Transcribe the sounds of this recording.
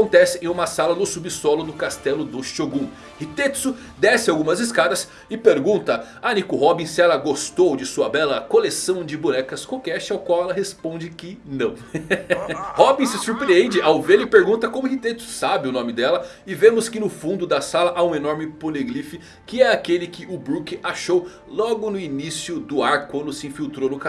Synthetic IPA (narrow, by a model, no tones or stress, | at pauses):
kõnt̪ɛsɪẽj̃ũmɐsalɐnʊsubɪsɔlʊnʊkast̪ɛlʊd̪ʊʃoɡũ | hit̪et̪sʊ | d̪esɪawɡũmɐzɪskad̪ɐs | ɪpeɾɡũnt̪ɐ | anikʊɦɔbĩsɪɛlɐɡost̪owd͡ʒɪsuɐbɛlɐkolesɐ̃w̃d͡ʒɪbunɛkɐskokɛʃɪawkwawɛlɐɦespõd͡ʒɪkɪnɐ̃w̃ | hɔbĩsɪsuɾpɾiẽnd͡ʒɪʔawvelɪpeɾɡũt̪ɐkõmʊhit̪et̪ʊ̥sabɪʊnõmɪd̪ɛlɐ | ɪvẽmʊskɪnʊfũnd̪ʊd̪ɐsalɐʔaũenɔɾmɪpoleɡɾifɪ | kɪɛakelɪkɪʊbɾukɪaʃow | lɔɡʊnʊinisjʊd̪ʊaɾkwɐ̃nd̪ʊsɪĩfiwt̪ɾownʊka